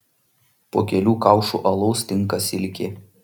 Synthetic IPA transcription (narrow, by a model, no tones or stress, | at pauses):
poːkʲɛlʲuːkɑˑʊʃṵːʔɐlˠɔʊst̪ʲɪŋˑkɐsʲɪlʲkʲɪ